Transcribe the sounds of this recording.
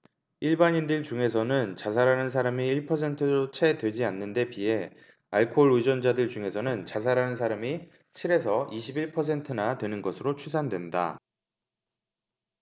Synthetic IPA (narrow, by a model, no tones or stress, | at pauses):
iɭbaɲindɯɭt͡ɕuŋe̞s̬ʰʌnɯnt͡ɕas̬ʰaɾanɯns̬ʰaɾamiːɭpʰʌsʰe̞ntʰɯot͡ɕʰe̞dwe̞d͡ʑianːɯnde̞pie̞ | aɭkʰoɭid͡ʑʌnd͡ʑadɯɭt͡ɕuŋe̞sʰʌnɯnt͡ɕasʰaɾanɯns̬ʰaɾami | t͡ɕʰiɾe̞sʰʌʔiɕʰibiɭpʰʌs̬ʰe̞ntʰɯnatwe̞nɯnɡʌsʰɯɾot͡ɕʰus̬ʰandwe̞nda̰